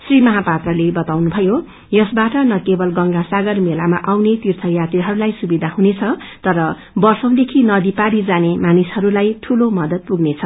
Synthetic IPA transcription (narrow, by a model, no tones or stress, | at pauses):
srimʌɦapat̪rʌlebʌt̪awnubʱʌjo | jʌsbaʈʌnʌkebʌlɡʌŋɡasaɡʌrmelama̰ʔawnet̪irt̪ʰʌjat̪riɦʌɾulajsubid̪ʱahɦunet͡sʰʌ | t̪ʌɾʌ | bʌrsʌ̃w̃d̪ekʰinʌd̪ipaɾid͡zanemanishʌɾulajʈʰulomʌd̪ʌt̪̚puɡnet͡sʰʌ